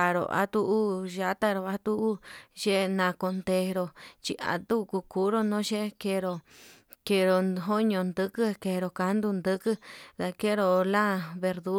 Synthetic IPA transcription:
a˨ɾo̰˨ʔa̰˧t̪u˦˧ʔu˦ʒa˧˦t̪a˦ɾo˨a˧t̪u˦u˦ʒe˦nã˨ko˧nd̪e˧ɾo˧t͡ʃi˧ʔa̰˨t̪u˦˧ku˧ku˦ɾo˦˧nõ˦ʃe˦ke˧ɾo˧ | ke˧ɾo˨ɦo˦ɲõ˧nd̪ɨ˦kɨ˦ke˧ɾo˨ka˧˦nd̪u˧nd̪ɨ˦kɨ˦t̪a˧ke˦ɾo˧lã˦βe˧ɾðu˦

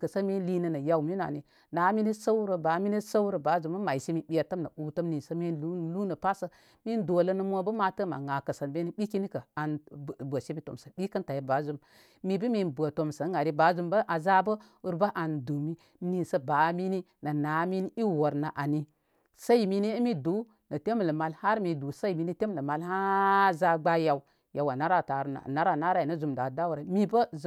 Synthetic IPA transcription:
kə˨sə˦mi˦n˦li˦nə˨nə˨ja˨wmi˦n˨a̰˨ni˨ | na˨˦mi˦ni˦sə˦wɾə˨ba˨˦mi˦ni˦sə˦wɾə˨ba˨˦zu˨mə˦ma˨i˨si˦mi˨ɓi˦a˨tə˦mnə̰˨u˦tə˦mni˨sə˦mi˦nu˦˨lu˦nə˨pa˦sə˦ | mi˦ndo˨lə˦nə˦mʷ˦o˦bə˦ma˨tə˦ma̰˨ŋa˨kə˨sə˨nbe˦ni˦ɓi˦ki˦ni˦kə˨a˨n˨bə˨ʃe˦bi˦to̰˨msə˨ɓi˦kə˦nta˨ji˨ba˨˦zu˦m | mi˨bi˦mi˦nbʷə˨to˨msə˨˦ŋɡa˨ɾi˦ba˨˦zu˦mbə˦ʔa˨za˦bə˦ | u˦ɾba˦ʔa˨ndu˨mi˦ | ni˨sə˦ba˨˦mi˦ni˦ | nə˨na˨˦mi˦ni˦i˦wo˨ɾna˨ʔa˨ni˦ | sa˦i˨˦mi˦ne˦mi˦du˨˦ | nə˨te˦m˨lə˨ma˧lha˦ɾmi˨du˨sa˦i˨mi˨ni˦te˦m˦˨lə˨ma˨lha˦za˧ɡ͡ba˦ja˨w | ja˨wa˨na˦ɾa˦˨ta˨ɾna̰˨na˦ɾa˨na˦ɾa˦i˨nə˦zu˨mda˨da˦wu˨ɾa˨mi˦bə˦z

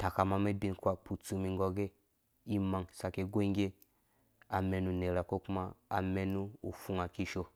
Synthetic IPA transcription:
ta˨ka˨ma˧me˦bi˧nkʷa˦˨k͡pu˨t͡su˧mi˧ŋ˦ɡɔ˧ɡe˦ | i˦ma˧ŋsa˧ke˧ɡo˦i˦ŋɡʲe˦ | a˨me˧nu˧ne˨ɾa˨ko˦ku˦ma˦a̰˨me˧nu˦u˨fu˦ŋa˨ki˦ʃo˧

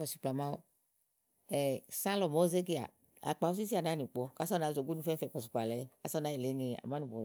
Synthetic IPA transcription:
ɔ˨si̥˨pla˨ma˦o˦ | ɛ˨sã˦lɔ˨mo˨˦ze˦ɡi˦a̰˨ | a̰˨k͡pa˨˦u˦si˦s̬i˦a˨na˨˦nĩ˨k͡pɔ˧ka˦sɔ˦na˨zo˨ɡu˦nũ˧˦fɛ˦fɛ˨pɔ˨s̬i˨k͡pa˨lɛ˨˦ka˦sɔ˦na˨˦e˨le˨˦ɲe˨a̰˨ma˨˦nũ˨bɔ˨

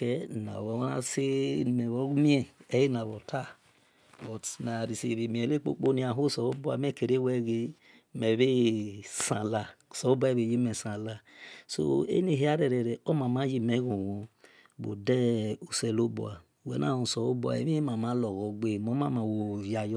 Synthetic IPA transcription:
kɛ˨na̰˨βɔ˨˦na̰˦se˦˨mɛ˨βɔ˦mi˦ɛ˦ɛ˦ji˦na˨βɔ˨tʰa˦˨ | bɔ˨na˨ɾi˨se˨βi˨mi˨ɛ˨le˦k͡po̰˦k͡po˦ni˨˦a˨ɦo˦sɔ˨o˦bo˦a̰˨mɛ˦˨ke˨ɾe˦wɛ˦ɣe˦ | mɛ˨βe˦sa˨la˨sɔ˨o˦bo˦ɛ˦˨βe˨ji˦mɛ˨sã˨la˦so̰˦ḛ˦ne˨ɦe˦a˦ɾɛ˨ɾɛ˨ɾɛ˨o˦ma˨ma˦ji˦mɛ˦ɣu˨wu˨ | bo̰˨dɛ˦u˨sɛ˨lo˦bo̰˨a˨wɛ̰˨˦na̰˦˨hũ˨sɔ˨o˦bo˦˨a̰˨ḛ˨˦i˦ma˨ma˨˦lɔ˨ɣɔ˨˦ɡ͡be˦˨mo˦ma˦ma˨wo˨ja˨j

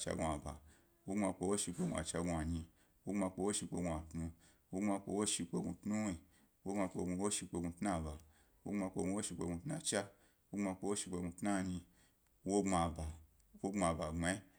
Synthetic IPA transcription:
t͡ʃa̰˧ɡu˧a˨ba̰˨ | wo˦ŋ͡ma˧k͡po˧wo˦ʃi˧k͡pe˧ɡu˧a̰˨t͡ʃa˧ɡu˧a˨ɲĩ˧ | wo˦ŋ͡ma˧k͡po˧wo˦ʃi˧k͡pe˧ɡu˧a˨tnu˧ | wo˦ŋ͡ma˧k͡po˧wo˦ʃi˧k͡pe˧ɡʷu˧tnu˦i˧ | wo˦ŋ͡ma˧k͡po˧ɡu˧wo˦ʃi˧k͡pe˧ɡu˧tna˦˨ba˨ | wo˦ŋ͡ma˧k͡po˧ɡu˧wo˦ʃi˧k͡pe˧ɡʷũ˧˦tna˦t͡ʃa˦ | wo˦ŋ͡ma˧k͡po˧wo˦ʃi˧k͡pe˧ɡũ˧tna˦˨ɲĩ˧ | wo˦ŋ͡ma˧ba˨ | wo˦ŋ͡ma˧˨ba˨ŋ͡ma˧i˦

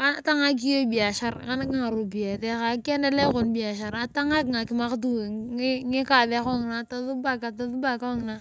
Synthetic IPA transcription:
ka˦n˦ta˦ŋa˦k̬i˦jo˦bi˨a˨ʃa˦ɾka˦na˦ka˦ŋa˨ɾu˨bi˨ja˨tɛ˦ka˨kɛ˦ndɛ˦le˦ko˨nbi˨a˨ʃa˨ɾa˨ta˦ŋa˦kŋa˨ki˨ma˦kt̬u˦˨˦ŋi˦ka˨ðɛ˦ko˦ŋ˨na˨ta˨ðu˦ba˦ka˨ta˨ðu˦ba˨ka˦ŋ˨na˦

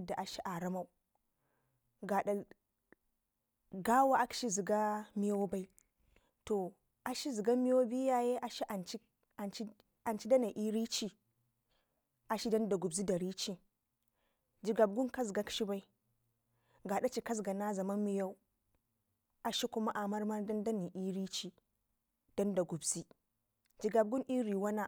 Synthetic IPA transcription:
da˨ʔa˨ʃi˦ʔa˨ɾa˦ma˦u˦ | ɡa˨ɗa˨ | ɡa˦wa˦a˦ki̥˨ʃi˦zi˨ɡa˦mi˦jo˦wba˨˦i˦ | to˨ | a˨ʃi˦zi˨ɡa˦mi˦jo˦bi˦ja˦je˦ʔa˨ʃi˦ʔa˨nt͡ʃi˦ | a˨nt͡ʃi˦ | a˨nt͡ʃi˦da˦na˨ʔi˦ɾi˦t͡ʃi˦ | ʔa˨ʃi˦da˦nda˨ɡu˨bzi˦da˨ɾi˦t͡ʃi˦ | d͡ʒi˨ɡa˨b̚ɡu˦ka˦zɡa˦ki̥˦ʃi˦ba˦i˦ | ɡa˨da˦t͡ʃi˨ka˦zɡa˨na˦za˨ma˦nmi˦ja˦u˦ | a˨ʃi˦ku˦ma˦ʔa˨ma˦ɾma˦nda˦nda˦ni˨ʔi˦ɾi˦t͡ʃi˦ | d̥a˦nda˨ɡu˨bzi˦ | d͡ʒi˨ɡa˨b̚ɡu˦nʔi˦ɾi˨wa˦na˦

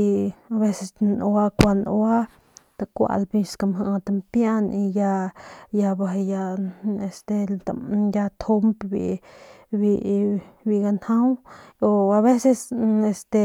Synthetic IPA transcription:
i˧a˧βe˦se˧snwa˦kʷa˧nwa˦ | t̪a˧kʷa̰˧lbi˧ska˧mɦa˧t̪a˧mpja˦ni˧ja˧ja˧ba˨ja˧e˧˨st̪e˧t̪aja˧t̪ʰo˧mpbḭ˧ | bi˧bi˧ɡa˧nhã˦wo˧a˧βe˦se˧se˧st̪e˧

